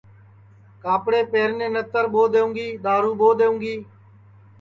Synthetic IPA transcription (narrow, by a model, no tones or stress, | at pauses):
kaːpɽeːpeːɾneːnət̪əɾɓoːd̪eːũːŋɡiːɗ̪aːɾuːɓoːd̪eːũːŋɡiː